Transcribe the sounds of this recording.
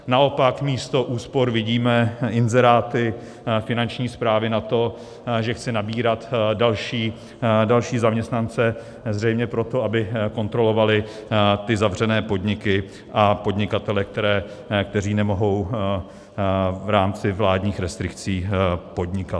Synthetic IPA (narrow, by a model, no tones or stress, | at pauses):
naʔo̞pakmiːst̪o̞ʔuːspo̞ɾvɪɟiːmɛɪnzɛɾaːt̪ɪ | fɪnant͡ʃɲiːspɾaːvɪnat̪o̞ | ʒɛxt͡sɪnabiːɾat̪dalʃiː | dalʃiːzamɲɛst̪nant͡sɛ | zr̝ɛjmɲɛpɾo̞t̪oabɪko̞nt̪ɾo̞lo̞valɪt̪ɪzavr̝ɛnɛːpo̞dɲɪkɪ | ʔapo̞dɲɪkat̪ɛlɛk̚t̪ɛɾɛː | kt̪ɛriːnɛmo̞ɦo̞w | vɾaːmt͡sɪvlaːdɲiːxɾɛst̪ɾɪkt͡siːpo̞dɲɪkat̪